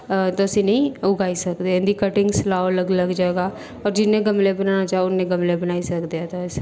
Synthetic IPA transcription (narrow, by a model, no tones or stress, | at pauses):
t̪oəsĩːnəɦĩːʊɡaːisəkd̪eɪ̃nd̪iːkəʈɪ̃ŋɡsəlaːoləɡləɡd͡ʒaeːɡaː | ɔːɾd͡ʒɪnːẽɡəmlebənaːnat͡ʃaːɦeʊnːẽɡəmlebənaːisəkd̪iat̪aɪs